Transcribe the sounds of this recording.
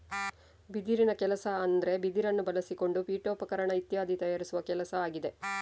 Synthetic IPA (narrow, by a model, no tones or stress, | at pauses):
bid̪iɾinɐkɛlɐsɐːnd̪ɾe̞bid̪iɾɐnːubɐlɐsiko̞ɳɖupiːʈoːpɐkɐɾɐɳɐit̪jaːd̪it̪ɐjaːɾisuʋɐkɛlɐsɐaːɡid̪e̞